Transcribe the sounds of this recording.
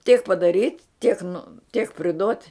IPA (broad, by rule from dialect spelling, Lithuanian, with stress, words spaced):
tʲiɛk pɐdɐˈrʲiːtʲ tʲiɛk nʊ tʲiɛk pʲrʲɪˈdoːtʲ